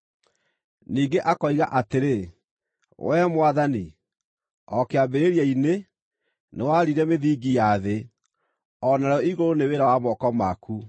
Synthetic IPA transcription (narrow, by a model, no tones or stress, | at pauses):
niːŋɡeʔakɔiɣaʔateɾe | wɛmwaðani | ɔkeabeɾeɾjɛine | newaɾiɾɛmeðiːɡijaðe | ɔnaɾɔiɣoɾoneweɾawamɔkɔmaku